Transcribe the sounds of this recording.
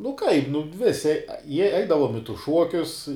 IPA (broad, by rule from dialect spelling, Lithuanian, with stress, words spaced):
nʊ kɐɪp nʊ ˈʋʲɪsʲɪ jiɛ ˈɛɪdɐʋoːm ɪ tʊs ˈʃuɔkʲʊs